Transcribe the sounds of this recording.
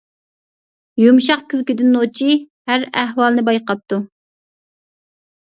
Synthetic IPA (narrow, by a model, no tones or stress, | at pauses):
jumʃɑqkʲʰylkʲid̪ɪnːot͡ʃʰi | hæɾæɦwɑlˠnɨbɑjqɑp̚t̪u